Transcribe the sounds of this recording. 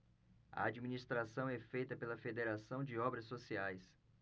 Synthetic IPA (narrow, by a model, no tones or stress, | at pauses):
ɐ̰ad͡ʒiminist̪ɾasɐ̃w̃ɛfejt̪ɐpelɐfed̪eɾasɐ̃w̃d͡ʒɪɔbɾɐsːosiajs